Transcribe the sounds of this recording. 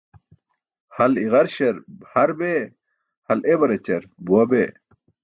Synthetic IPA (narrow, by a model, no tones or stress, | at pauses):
hɐliʁɐɾɕɐɾbhɐɾbe | hɐlʔebɐɾet͡ɕɐɾbuɐbe